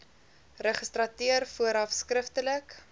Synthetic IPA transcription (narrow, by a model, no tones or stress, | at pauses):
rəχəstrɐtiərfuəɾɐfskrəftələk